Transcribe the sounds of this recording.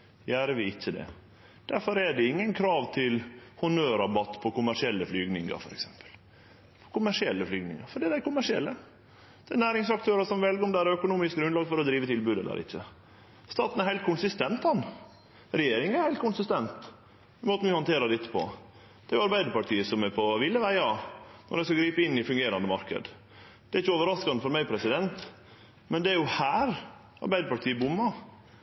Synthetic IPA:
jæːɾəʋɪɪçːəd̪ɛ̰ | d̪̥æɾfɔɾɛɖɛɪŋːənkʰɾɑːʋt̪ʰɪlhʊnøːɾɑbɑt̪ːpʰɔkʊmæʂɪɛlːəflyːɡnɪŋə̰ɾfɔɾɛksɛmpə̥l | pʰɔ̥kʊmæʂɪɛlːəflyːɡnɪ̰ŋəɾfɔɖɛːd̪æɪkʊmæʂɪɛ̰lːə | d̪̥ɛɛnæːɾɪŋsɑkt̪ʰøːɾəʂɔmʋɛlɡəɾɔmd̪ɛæɾœkʊnuːmɪsk̚ɡɾʉnd̪ɑːɡfɔɾɔd̪ɾiːʋət̪ʰɪlbʉːd̪ɛ̰lːə̰ɾɪ̰çːə | st̪ɑːt̪næɾhɛɪkʰʊnsɪst̪ɛnt̪hɑnː | ɾɛjeːɾɪŋæɾhɛɪlt̪kʊnsɪst̪ɛnt̪ | ɪmoːt̪ənʋɪhɑnt̪ʰeːɾɑd̪ɛt̪ːə̥pʰɔ̰ | d̪̥ɛæɾjʊɑɾbæɪd̪əɾpɑʈʰiːəsɔmæɾpʰɔʋɪlːəʋæɪɑnʔɔ̰ɾæɪskɑɡɾiːpəɪnːɪfʉŋɡeːɾɑnd̪əmɑ̰ɾkə̰d̪ | d̪̥ɛɾɪçːəoːʋəɾɑskɑnəfɔɾmæɪpʰɾɛsɪd̪ɛnt̪ | mɛnd̪ɛæɾjʊhæːɾ | ɑ̰ɾbæɪd̪əpɑʈʰiːəbʊmːɑ

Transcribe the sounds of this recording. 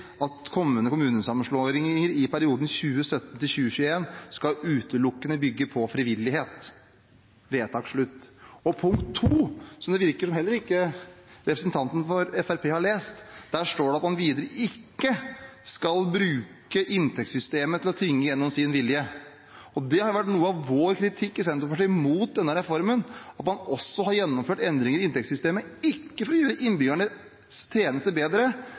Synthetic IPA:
ɑt̪kʰɔmːənəkʰʊmʉːnənsɑmːənʂɭoɾɪŋəɾɪpʰæɾɪuːd̪n̩çʉːəsœt̪ːn̩t̪ɪlçʉːəɕʉːəeːnskɑʉːt̪əlʊkːənəbʏɡːəpʰɔfɾɪʋɪlːɪheːt̪ | ʋeːt̪ʰɑːkʂɭʉt̪ːɔpʰʊŋkt̪ʰːuːsɔmd̪ɛʋɪɾkəʂɔmhɛlːəɾɪkːəɾɛpɾəsnt̪ʰɑnt̪n̩fɔɾɛfæɾpʰeːhɑɭeːst̪d̪æʂʈoːɖɛɑt̪mɑnʋiːd̪əɾəʔɪkːəskɑlbɾʉːkəʔɪnt̪ʰɛkt̪sʏst̪eːmət̪ʰɪlɔt̪ʰɪŋːəjɛnːɔmsɪnʋɪljə | ɔd̪ɛhɑɾjʊʋæʈːnuːəɑʋːoːɾkʰɾɪt̪ʰɪkːɪsɛnt̪ɾɔfɔʂɛmuːt̪̚d̪ɛnːəɾɛfɔɾmənɑt̪mɑnɔsːɔhɑɾjɛnːɔmføːʈɛnd̪ɾɪŋəɾɪɪnt̪ɛktsʏst̪eːməɪkːəfɔɾɔjøːɾəʔɪnbyːɡæɳə | st̪ʰɾeːnəst̪əbeːd̪ɾə

